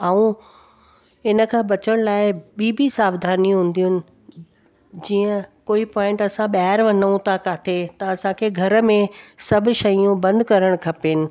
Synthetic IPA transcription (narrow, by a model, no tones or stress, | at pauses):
aːũ | ɪnə̆kʰãːbɐt͡ɕəɽ̃laːɪɓiːbisaːbd̪ʱaːnĩɦũːn̆d̪ijʊnɪ̆ | d͡ʑiːə̃koːipɔːɪ̃ɳʈɐsãɓaɦaɾʋɐnəũt̪ʰakaːt̪ʰet̪ɐɐsãkʰeːɡʱɐɾə̆mẽsɐbʱʊ̆ʃɐijũbɐ̃nd̪ʱkɐɾəɽ̃kʰɐpeɪnɪ̆